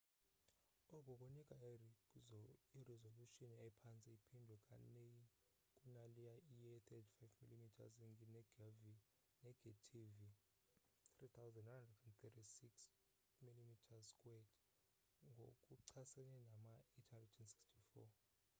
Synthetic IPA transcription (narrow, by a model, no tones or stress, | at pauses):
ɔkʼɔkʼunikʼa | irɛzoluʃiniapʰant͡sʼɛipʰindʱwɛkʼa̰neji | kʼunalijaijɛt̪ʰɛtʰi̥fajvmilimitʰa̰zɛŋɡinɛɡavi | nɛɡ̥atʰivi | trit̪ʰawzɛndwnandrɛdɛnt̪ʰɛtʰisiks | milimitʰazkʼwɛd | ŋɡʱo̰kʼuǀʰasɛnɛnamaetʰhandrɛdɛnsi̥kstʰifɔ̰